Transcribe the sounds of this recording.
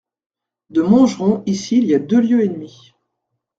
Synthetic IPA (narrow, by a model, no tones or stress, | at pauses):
d̪əmɔ̃ʒʁɔ̃isiːliad̪øljøenmi